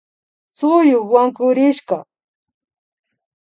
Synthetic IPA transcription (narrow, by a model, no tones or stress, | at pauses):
t͡sʊjʊkwaŋkʊɾɪʃka